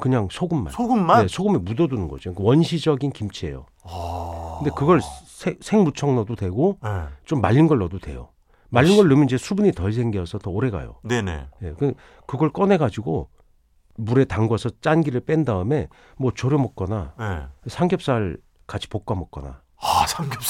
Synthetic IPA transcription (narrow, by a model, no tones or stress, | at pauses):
kɯɲaŋsʰoɡɯmːa̰soɡumːane̞sʰoɡɯmemudʌdunɯnɡʌd͡ʑiok͈awʌnɕʰid͡ʑʌɡinkimt͡ɕʰiḛjo̰ | kɯnde̞kɯɡʌɭsʰesʰe̞ŋmut͡ɕʰʌŋnʌdodwe̞ɡot͡ɕomːaʎːinɡʌɭːʌdotwe̞̰jo̰ | maʎːinɡʌɭːɯmjʌnid͡ʑe̞sʰubuɲitʌɭs̬ʰe̞ŋɡiʌsʰʌtʌoɾe̞ɡa̰jo̰nenḛje̞̰kɯ | kɯɡʌɭk͈ʌnɦe̞ɡad͡ʑiɡo | muɾe̞taŋɡʌsʰʌt͡ɕ͈anɡiɾɯɭp͈endaɯme̞ | mwʌt͡ɕʌɾjomʌk̚k͈ʌnaesʰaŋɡjʌp̚s͈aɭ | kat͡ɕʰi̥pok͈̚amʌk̚k͈ʌna̰ | sʰaŋɡʌp̚